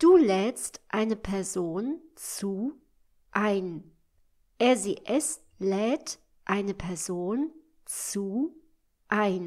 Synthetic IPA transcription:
d̥uːlɛːstʔaɪnəpʰɛɐzoːnt͡suː | ʔaɪn | ʔɛɐziʔɛs | lɛːt | ʔaɪnəpʰɛɐzoːn | t͡suː | ʔaɪn

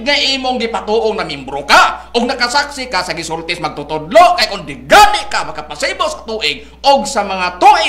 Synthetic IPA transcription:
ɡ̚ŋaʔimʊŋɡipat̪uʔʊŋnamimbɾokaʔʊɡ̚nakasaksɪkasaɡisʊrt̪ɪsmaɡ̚t̪ʊt̪ʊdloʔkajkʊndɪɡanɪʔkamakapasibosat̪uʔɪɡ̚ | ʊɡsamaŋat̪uʔɪ

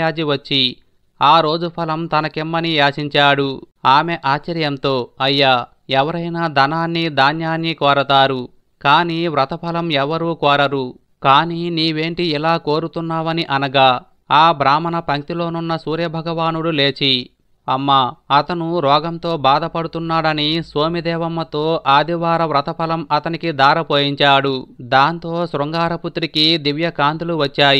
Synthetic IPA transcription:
aːd͡ʒiʋɐt͡ʃːi | aːɾo̞ːd͡ʒupʰɐlɐmt̪ɐnɐkemːɐnijaːt͡ʃiɲt͡ʃaːɽu | aːmeʔaːt͡ʃːɐɾjɐmt̪o̞ːɐjːaː | ɛʋɐɾɐjnaːd̪ʱɐnaːnːid̪ʱaːnjaːnːikɔːɾɐt̪aːɾu | kaːniʋɾɐt̪ɐpʰɐlɐmɛʋɐɾuːkɔːɾɐɾu | kaːniniːʋe̞ːɳʈiilaːko̞ːɾut̪unːaːʋɐniʔɐnɐɡaː | aːbʱɾaːmɐnɐpɐŋt̪ilo̞ːnunːɐsuːɾjɐbʱɐɡɐʋaːnuɽule̞ːt͡ʃi | ɐmːaɐt̪ɐnuɾɔːɡɐmt̪o̞ːbaːd̪ɐpɐɽut̪unːaːɽɐnisʋoːmid̪ɛːʋɐmːɐt̪o̞ːʔaːd̪iʋaːɾɐʋɾɐt̪ɐpʰɐlɐmɐt̪ɐnikid̪aːɾɐpoːjiɲt͡ʃaːɽud̪aːnt̪o̞ːsɾɔŋɡaːɾɐput̪ɾikid̪iʋjɐkaːnt̪uluʋɐt͡ʃːaːji

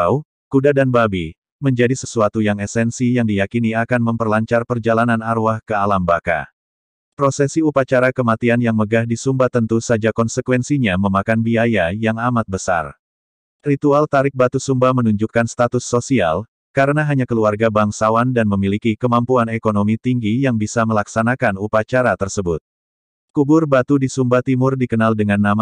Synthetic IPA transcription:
u | kudadanbabi | məɲd͡ʒadisəsuat̪ujaŋɛsɛnsijaŋdijakiniakanməmpərlaɲt͡ʃarpərd͡ʒalananaɾuahkəalambaka̰ | pɾosɛsiupat͡ʃaɾakəmat̪ianjaŋməɡahdisumbat̪ənt̪usad͡ʒakɔnsəkwɛnsiɲaməmakanbiajajaŋamat̪̚bəsa̰r | rit̪ualt̪aɾɪk̚bat̪usumbamənuɲd͡ʒukːanst̪at̪ʊsːosia̰l | kaɾənaɦaɲakəluarɡabaŋsawandanməmilikikəmampuanekonomit̪iŋɡijaŋbisaməlaksanakanupat͡ʃaɾat̪ərsəbʊt̪̚ | kubʊrbat̪udisumbat̪imʊrdikənaldəŋanːama

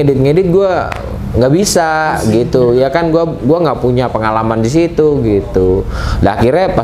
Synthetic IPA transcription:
edɪt̪̚ŋedɪt̪̚ɡua | ŋɡaʔbisaɡit̪ujakanɡuaɡuaŋɡaʔpuɲapəŋalamandis̬it̪uɡit̪udəa̰kiɾɲapa

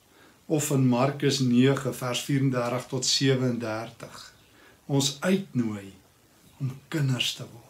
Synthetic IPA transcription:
ɔfənmɐrkəsniəχəfærsfiːɾəndærtəχtɔtsiəvəəndærtəχ | ɔnsœɥtnuəj | ɔmkənərstəvɔrt

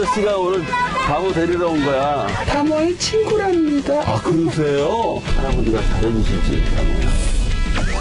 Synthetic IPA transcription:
ʌɕ͈iɡaonɯɭpamuteɾiɾʌunɡʌja | tamʌet͡ɕʰinɡuɾɦamɲidaakɯɾʌs̬ʰe̞josʰaɾamuɲiɡatʰaɾebuɕʰid͡ʑḭta̰ma̰ja̰

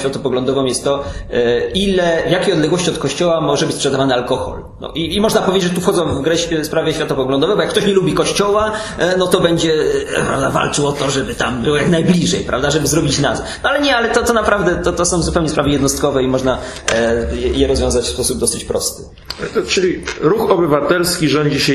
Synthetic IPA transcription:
fʲjat̪ɔpɔɡlɔ̃nd̪ɔvɔ̃mjɛst̪ːɔ | ilɛvjakʲejɔd̪lɛɡwɔɕt͡ɕiɔt̪kɔɕt͡ɕɔwamɔʐɛbɘt͡ɕʲspʂɛd̪avanɘalkɔxɔ̰l | nɔ̰ʔiːmɔʐnapɔvʲed͡ʑʒʐt̪ufxɔd̪zɔ̃w̃vɡɾɛɕspɾavjɛɕfʲjat̪ɔpɔɡlɔnd̪ɔvɛbɔjakːt̪ɔɕɲɛlubʲikɔɕt͡ɕɔwanɔt̪ɔbɛɲd͡ʑɛpɾa̰vd̪ava̰lt͡ʂɘwɔt̪ɔʐɛbɘt̪ambɘwɔjaknajblʲiʐɛjpɾa̰vd̪aʐɛbɘzɾɔbʲit͡ɕnazɛnɔalɛɲɛalɛt̪ɔt̪ɔnapɾavd̪ɛt̪ɔt̪ɔsɔ̃w̃zupɛwɲɛspɾavɘjɛd̪nɔst̪̚kɔvɛimɔʐna | ɛjɛɾɔzvʲɔ̃w̃zat͡ɕfspɔsub̚d̪ɔsɘt͡ɕpɾɔ̰st̪ɘ̥ | t͡ʂɘlʲiɾuxɔbɘvat̪ɛlskʲiʐɔɲd͡ʑiɕɛ

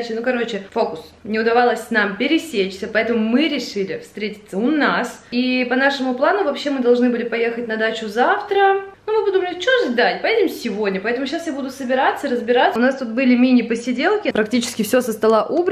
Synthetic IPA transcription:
t͡ɕɪnukɐɾo̞t͡ɕɪfo̞kʊsnʲɪʊd̪ɐvalˠəsʲnampʲɪɾʲɪsʲet͡ɕsʲəpɐɛt̪əmʊmɨɾʲɪʂɨlʲɪfst̪ɾʲetʲɪt̪sːəʊnasipɐnaʂɨmʊplˠanʊvɐpɕːe̞mɨd̪ɐlˠʐnɨbɨlʲɪpɐje̞xətʲnɐd̪at͡ɕʊzaft̪ɾənumɨbɨd̪umlʲɪtʲt͡ɕoʐd̪atʲpɐjʲedʲɪmsʲɪvo̞dʲnʲəpɐɛt̪əmʊɕasjabud̪ʊsəbʲɪɾat̪səɾəzbʲɪɾat̪səʊnast̪ut̪bɨlʲɪmʲinʲɪpəsʲɪdʲelˠkʲɪpɾɐktʲit͡ɕɪ̥skʲɪfsʲosəst̪ɐlˠaʔubɾ

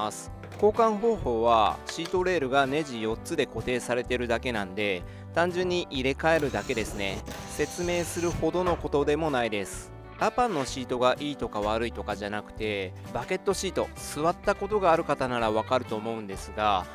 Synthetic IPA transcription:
sɨ̥ | ko̞ːkãɰ̃bo̞ːho̞ːβa̰ɕiːt̪o̞ɾe̞ːɾɯ̟ɡane̞ʑijo̞tt͡sɨd̪e̞ko̞t̪e̞ːsaɾe̞t̪e̞ɾɯ̟d̪ake̞nãnd̪e̞ | t̪ãɲ̟d͡ʑɨ̃ɲ̟ːiʔiɾe̞kae̞ɾɯ̟d̪ake̞d̪e̞sɨne̞se̞t͡sɨme̞ːsɨɾɯ̟ho̞d̪o̞no̞ko̞t̪o̞d̪e̞mo̞naid̪e̞sɨ̥ | japãnːo̞ɕiːt̪o̞ɡaʔiːt̪o̞kaβ̞aɾɯ̟it̪o̞kaʑanakɯ̟̥t̪e̞ | bake̞t̪ːo̞ɕiːt̪o̞sɨβat̪ːako̞t̪o̞ɡaːɾɯ̟kat̪anaɾaβ̞akaɾɯ̟t̪o̞ːmo̞ɯ̟̃nd̪e̞sɨɡa

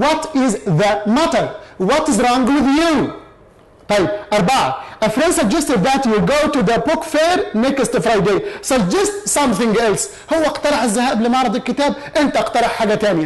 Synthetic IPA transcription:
wɔt̪ɪzðəmæt̪əɾwɔt̪ɪzɾˤɔ̃ŋɡwɪðju | t̪ˤɑjːɪb̚ʔɑɾˤbaʕaʔəfɾẽnsəɡ̚d͡ʒɛst̪ɪd̪ðæt̪juɡoːt̪uðəpʊkfeːɾnekɪst̪fɾˤajd̪eːsɑɡ̚d͡ʒɛst̪sʌ̃mθɪ̃ŋɡʔɛls | hʊwːaʔɑqt̪ɑɾˤɑħazːahaːblɪmɑʕɾˤɑd̪ˤalkɪt̪aːb̚ | ʔɪnt̪aʔɑqt̪ɑɾˤɑħħaːɡat̪aːnɪja

